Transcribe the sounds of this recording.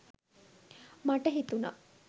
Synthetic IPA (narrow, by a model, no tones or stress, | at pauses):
maʈəɦit̪unɐ̰